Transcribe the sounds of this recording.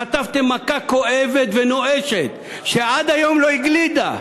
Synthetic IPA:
at̪avt̪emːakako̞ʔevet̪venoʔeʃet̪ | ʃeʔad̪ajo̞mloiɡlid̪a̰

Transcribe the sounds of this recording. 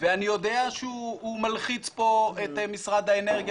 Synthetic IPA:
veanijo̞d̪eaʃeuumalχit͡spo̞et̪emisʁad̪haeneʁɡ

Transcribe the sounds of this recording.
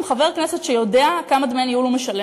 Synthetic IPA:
mχave̞ʁknesetʃejo̞de̞akamad̪menjjulomeʃɐle

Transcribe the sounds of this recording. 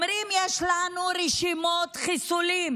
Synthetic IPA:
mɾimjɛʃlanuɾɛʃimot̪χisulim

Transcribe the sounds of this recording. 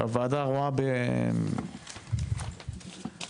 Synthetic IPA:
a̰vad̪aʁuabe

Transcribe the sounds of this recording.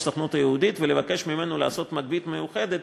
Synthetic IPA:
saχnut̪ajeud̪it̪vele̞vake̞ʃmime̞nola̰ːso̞t̪maɡ̚bit̪mejuχe̞d̪et̪

